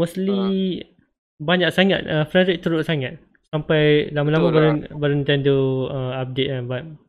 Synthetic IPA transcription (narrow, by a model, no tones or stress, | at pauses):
mosli | baɲak̚saŋa̰t̪̚əfɾɛɾɪk̚t̪əɾʊʔ̚saŋat̪̚ | sampajlamalamãbaɾnbəɾint̪ɛnduəap̚det̪̚anbaʔ̚